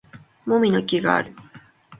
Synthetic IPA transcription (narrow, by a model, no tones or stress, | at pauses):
mo̞mʲino̞kʲiɡa̰a̰ɾɯ̟